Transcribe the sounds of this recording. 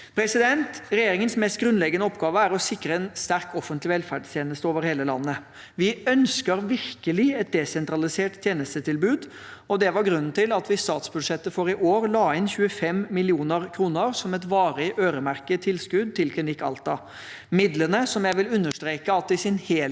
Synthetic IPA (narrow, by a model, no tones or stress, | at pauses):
pʰɾɛsɪd̪ɛnt̪ɾɛjeːɾɪŋənsmɛst̪ɡɾʉnlɛɡənəɔpɡɑːʋəæɾɔsɪkːɾəɛnst̪æɾkʰɔfənt̪lɪʋɛlfæɖst̪jeːnəst̪əoːʋəɾheːləlɑ̰nːə | ʋɪœnskəɾʋɪɾkəlɪɛt̪̚d̪ɛsɛnt̪ɾɑlɪseːʈt̪ʰjeːnəst̪ət̪ʰɪlbʉːd̪ | ɔd̪ɛʋɑɾɡɾʉnːn̩t̪ɪlɑt̪ʋɪst̪ɑːt̪sbʉd̪ʂɛt̪ːəfɔɾɪʔoːɾlɑːɪnçʉːəfɛmːɪlɪuːnəɾkʰɾuːnəɾsɔmɛt̪ʋɑːɾɪʔøːɾəmæɾkət̪ʰɪlskʉd̪̚t̪ʰɪlkʰlɪnɪkːɑ̰lt̪ɑ | mɪd̪lənəsɔmjæɪʋɪlʉnːəʂt̪ɾeːkəɑt̪̚ːɪsɪnheː